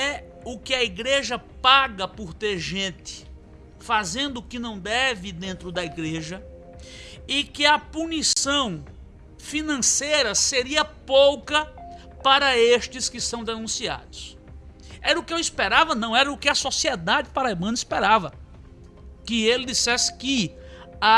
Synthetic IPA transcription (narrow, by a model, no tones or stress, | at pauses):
ɛ | ʊkɪɐiɡɾeʒɐpaɡɐpʊɾt̪eɾʒẽt̪ɪ̥ | fazẽnd̪ʊʊkɪnɐ̃w̃d̪ɛvɪd̪ẽnt̪ɾʊd̪ɐiɡɾeʒɐ | ɪkɪɐpunisɐ̃w̃ | finɐ̃sejɾɐseɾiɐpowkɐ | paɾɐeʃt͡ʃɪskɪsɐ̃w̃d̪enũsia̰d̪ʊs | ɛɾɐʊkɪewispeɾavɐnɐ̃w̃ɛɾɐʊkɪɐsosiɛd̪ad͡ʒɪpaɾajmɐ̃nispeɾavɐ | kɪelɪd̪isɛsɪ̥kɪ | a